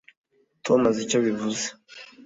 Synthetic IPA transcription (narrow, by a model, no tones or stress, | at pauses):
tomazicoβivuze̥